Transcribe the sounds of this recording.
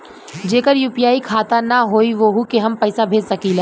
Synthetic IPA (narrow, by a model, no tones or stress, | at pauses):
d͡ʒeːkəɾjuːpijaːikʰaːt̪anaɦoːiʋoɦukeɦɐmpɛɪsabʱeːd͡ʒsɐkiːlɛː